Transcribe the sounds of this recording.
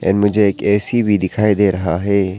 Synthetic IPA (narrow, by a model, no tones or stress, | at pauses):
ɛ̰ːnmʊd͡ʒʱeeːkɛːsibʱid̪ɪkʰaːid̪eːɾɐɦaɦɛː